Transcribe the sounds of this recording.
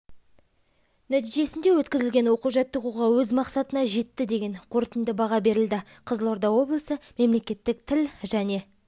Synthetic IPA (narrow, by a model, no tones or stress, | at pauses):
næt̪ijʒe̞sɪnd̪e̞wɵt̪kʲɪzɪlʲɡʲe̞nwo̞quʒɑt̪ːəquʁɑwɵzmɑqsɑt̪ənɑʒe̞t̪ːɪd̪e̞ɡʲe̞ɴqʰo̞ɾt̪ənd̪əbɑʁɑbe̞ɾɪld̪ɪqʰəzlˠo̞ɾd̪ɑwo̞blˠəsəme̞mle̞kʲe̞t̪ːɪk̚t̪ʰɪlʒæne̞